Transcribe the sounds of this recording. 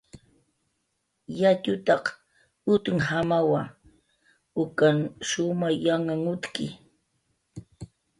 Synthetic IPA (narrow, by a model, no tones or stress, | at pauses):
jat͡ʃʊt̪ɑq | ʊt̪ʊŋhamawa | ʊkanʃʊmajaŋaŋʊt̪kɪ